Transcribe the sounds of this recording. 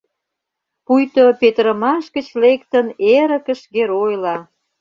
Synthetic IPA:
pujt̪opet̪ɾə̆mɑʃɡə̆t͡ɕlek̚t̪əneɾə̆kə̆ʃɡeɾojlɑ

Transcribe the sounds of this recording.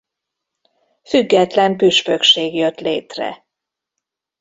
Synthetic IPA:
fyɡːɛt̪lɛmpyʃføkʃeːɡjøt̪lḛːt̪rɛ̰

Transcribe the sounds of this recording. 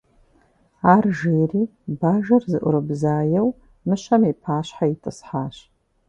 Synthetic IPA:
aːrʒeːriːbaːʒɐrzɨʔʷʊ̰ɾɨbzaːjɐw | mɨɕɐmipʰaːɕħaitʰʼɨsħaːɕ

